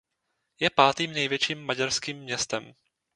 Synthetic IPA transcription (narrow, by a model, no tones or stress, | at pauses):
jɛpaːt̪iːmnɛjvjɛt͡ʃiːmːaɟaɾskiːmːɲɛst̪ɛm